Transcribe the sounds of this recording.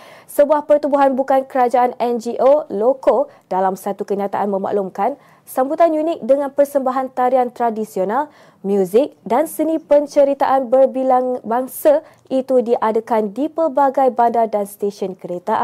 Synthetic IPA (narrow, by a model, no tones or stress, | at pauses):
səbuahpərt̪ubuɦanbukankəɾad͡ʒaʔanɛnd͡ʒiʔoloko | d̥alamsat̪ukəɲat̪aʔanmə̃ma̰ʔlumkan | sambut̪anjunɪk̚dəŋãnpərsəmbaɦant̪aɾiant̪ɾadisional | mjuzɪk̚dansənĩpəɲt͡ʃəɾit̪aʔanbərbilaŋbaŋsa | ʔit̪udiʔadakandipərbaɡajbandadanst̪eʃɔnkəɾet̪aʔan